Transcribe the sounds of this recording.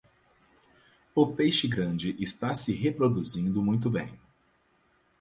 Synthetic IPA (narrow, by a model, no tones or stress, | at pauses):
ʊpejʃɪɡɾɐ̃d͡ʒɪʔɪst̪asɪɦepɾod̪uzĩnd̪ʊmũj̃t̪̬ʊbẽj̃